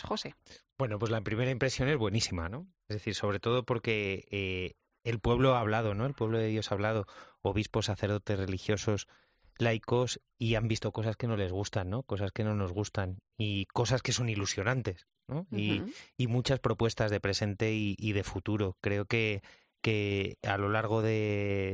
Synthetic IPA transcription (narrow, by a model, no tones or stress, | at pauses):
xosebwe̞no̞pwo̞zlaimpɾime̞ɾaimpɾe̞sjo̞ne̞zβwe̞nisima̰no̞ezðe̞θiɾso̞βɾe̞t̪o̞ð̞o̞po̞ɾke̞eː | lpwe̞β̞lo̞aːβ̞lað̞o̞no̞elpweβlo̞ðe̞ðjo̞saβlaðo̞oβ̞ispo̞saθe̞ɾð̞o̞t̪e̞zre̞lixjo̞so̞s | lajko̞s | iambist̪o̞ko̞saske̞no̞le̞zɣ̞ust̪anːo̞ko̞saske̞no̞no̞zɣ̞ust̪aniko̞saske̞so̞nilusjo̞nãnt̪e̞s | no̞iːmut͡ʃaspɾo̞pwe̞st̪azðe̞pɾe̞se̞nt̪e̞iʔiðe̞fut̪uɾo̞kɾe̞o̞ke̞ | kea̰lo̞laɾɣ̞o̞ðe̞